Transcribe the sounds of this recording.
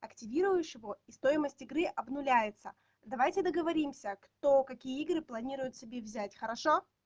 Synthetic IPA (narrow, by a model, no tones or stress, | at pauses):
ɐktʲɪvʲiɾʊjʊɕɪvoist̪o̞jɪməsʲtʲɪɡɾɨʔɐbnʊlʲæjɪt̪sə | d̪ɐvajtʲɪd̪əɡəvɐɾʲimsʲəkt̪okɐkʲijəiɡɾɨplˠɐnʲiɾʊjʊt̪sʲɪbʲevzʲætʲxəɾɐʂo